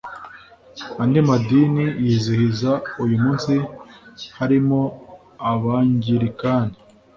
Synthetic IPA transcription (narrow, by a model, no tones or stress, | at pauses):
andimadinijiːzihizaujumuːnsi | haɾimo̞ | aβaːɲɟiɾikaːne